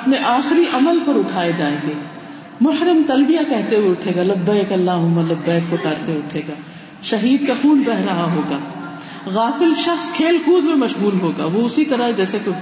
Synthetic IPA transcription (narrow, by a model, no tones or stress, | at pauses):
ɐpneʔaːxɾiʔɐməlpɐɾʊʈʰaːed͡ʒaːẽːɡeː | mʊhɾɪmt̪ɐlbijakɛɦt̪eweʊʈʰeːɡalɐbːaekɐlːaːɦʊmːalɐbːaːk̚pɐkaːɾt̪eeʊʈʰeːɡaː | ʃɐɦiːd̪kaxuːlbɛɦɾɐɦaɦoːɡaː | ɣaːfɪlʃɐxskʰeːlkuːd̪mẽmɐʃɣuːlɦoːɡa̰ːʋoʊsit̪ɐɾaɦed͡ʒɛːseke